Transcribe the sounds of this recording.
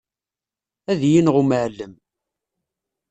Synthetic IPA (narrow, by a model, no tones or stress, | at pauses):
æðjinʁuməʕlːəm